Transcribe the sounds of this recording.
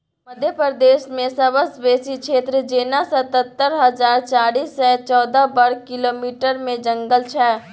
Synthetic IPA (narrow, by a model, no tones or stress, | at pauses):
məd̪ʱjəpɾəd̪eːʃmẽsɐbəsbeːsikʃeːt̪ɾəd͡ʒeːnasɐt̪ət̪ːəɾɦəzaːɾt͡ʃaːɽiːsːɛt͡ʃɔːd̪abəɾkɪloːmiːʈəɾmẽd͡ʒə̃ŋɡəlt͡ʃʰɛː